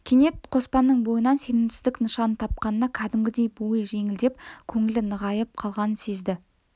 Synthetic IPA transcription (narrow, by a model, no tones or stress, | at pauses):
kʲʰene̞t̪̚qʰo̞spɑnːəɴbo̞jənɑnse̞nɪmsɪzd̪ɪknəʃɑnət̪ʰɑp̚qɑnənɑkʲʰæd̪ɪmɡʲɪd̪e̞jbuəʒe̞ŋɪld̪e̞p̚kʲʰɵŋɪlɪnəʁɑjəp̚qʰɑlˠʁɑnənse̞zd̪ɪ